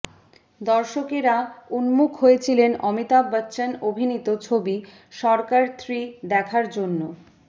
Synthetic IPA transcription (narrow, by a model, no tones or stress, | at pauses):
d̪ɔɾʃokeɾaunmukʰɦojet͡ɕʰilenɔmit̪abːatːɕanobʱinit̪ot͡ɕʰobi | ʃɔɾkaɾt̪ʰɾid̪ɛkʰaɾd͡ʑonːo